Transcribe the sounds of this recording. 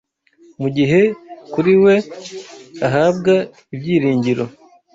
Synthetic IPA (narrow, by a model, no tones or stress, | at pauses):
muɟiɦe̞kuɾiwe̞ | aɦaːbɡa | ibjiːɾiːɲɟiɾo̞